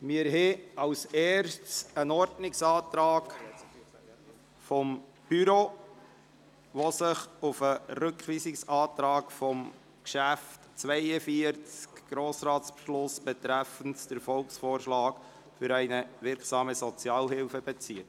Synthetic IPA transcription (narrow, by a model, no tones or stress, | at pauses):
mɪəɾɦɛɑʊsɛːɾʃtsənɔɾdnɪksɑːt̪ɾɑːk | fɔm | b̥yɾo | ʋɔsəχʊfəɾɵkχʋiːsɪksɑːt̪ɾɑːkfɔm | kʃæftt͡sʋæɪəfiəɾt͡skɡ̥ɾoːsɾɑːtspʃlʊsb̥ɛtɾæfəntd̥əɾfɔlksfoːɾʃlɑːk | fʏɾæɪnəʋɪɾksɑːməsɔt͡sjɑːlhɪlfəb̥ɛt͡siət